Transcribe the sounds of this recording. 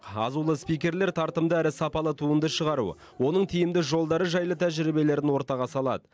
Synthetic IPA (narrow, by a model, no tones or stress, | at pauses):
qɑ̰zulˠəspijkʲe̞ɾle̞ɾt̪ʰɑɾt̪əmd̪əæɾɪsɑpɑlˠət̪ʰuənd̪əʃəʁɑɾṵ | wo̞nəɴt̪ʰijɪmd̪ɪʒo̞lˠd̪ɑɾəʒɑjlˠət̪ʰæʒɪɾibe̞le̞ɾɪnwo̞ɾt̪ɑʁɑsɑlˠɑ̰d̪ə